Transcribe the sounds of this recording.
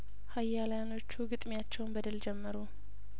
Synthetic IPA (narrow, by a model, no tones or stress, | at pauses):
hajːaljano̞t͡ʃːuɡɨt̪ʼmjat͡ʃːɛwnbəd̪ɨld͡ʒɛmːəɾu